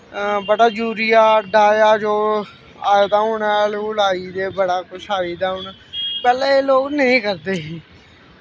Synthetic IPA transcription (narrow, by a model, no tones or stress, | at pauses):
bəɽaːd͡ʒuːɾijaːɖaːjaːd͡ʒoː | a̰ːjd̪aːɦoːnalːlaːiːd̪eːbəɽaːkʊt͡ʃʰaːiːd̪aːɦoːnaːpɛːleːeːloːɡnəɦĩːkəɾd̪eː